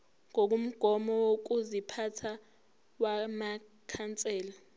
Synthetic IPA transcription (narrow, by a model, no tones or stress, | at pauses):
ŋok̬um̩ɡ̥ʱɔmɔwok̬uzipʰatʰa | wama | kʰant͡sʼɛːla